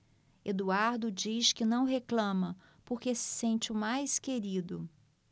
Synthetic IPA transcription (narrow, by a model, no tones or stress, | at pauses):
ed̪uaɾd̪ʊd͡ʒiʃkɪnɐ̃w̃ɦeklɐ̃mɐ | poɾkesɪ̥sẽnt͡ʃɪʊmajskeɾid̪ʊ